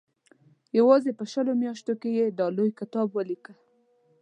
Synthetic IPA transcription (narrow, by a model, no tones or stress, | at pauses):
jawɑzepəʃəlomjɑʃt̪okejed̪ɑlojkɪt̪ɑbwəlikə